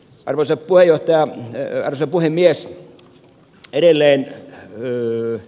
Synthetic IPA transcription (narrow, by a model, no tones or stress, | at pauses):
ʔɑ̰rʋosɑppuhejoht̪ɑjɑɑ̰rʋosɑpuhemmies | eɾelːeːn